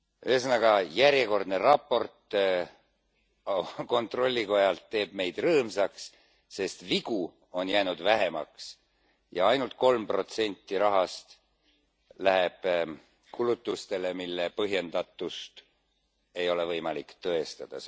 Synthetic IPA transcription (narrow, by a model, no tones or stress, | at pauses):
yesnɑɡ̥ɑjæɾjeko̞rd̪̥ne̞rɑpːo̞rt̪ | ko̞nt̪ro̞lʲːiko̞jɑlt̪ːe̞ːb̥̚me̞jd̪̥rɤːmsɑks | se̞st̪viɡ̥u | o̞njæːnud̪væɦe̞mɑ̰ks | jɑ̰ɑjnult̪̚ko̞lmpro̞t̪se̞nʲt̪ːiɾɑɦɑst̪ | læɦeb̥ | kʰulut̪ːˑust̪e̞le̞milːepɤɦje̞nd̪̥ɑt̪ːˑust̪ | e̞jo̞le̞vɤjmɑlikt̪ɤ̞e̞st̪ɑd̪̥ɑ̰s